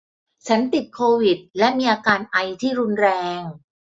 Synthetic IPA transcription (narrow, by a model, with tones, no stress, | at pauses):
t͡ɕʰa˦˥nt̪i˨˩t̪̚kʰoː˧wi˨˩t̪̚lɛ˦˥miː˧ʔaː˧kaː˧nʔa˧jt̪ʰiː˥˩ɾu˦˥nɾɛː˧ŋ